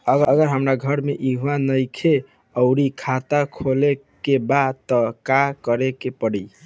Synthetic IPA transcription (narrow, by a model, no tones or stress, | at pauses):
əɡəɡəɾɦəmɾaɡʱəɾmeʔiɦuanəjkʰe | əʊɾikʰat̪akʰolekebat̪əkakəɾekepəɽə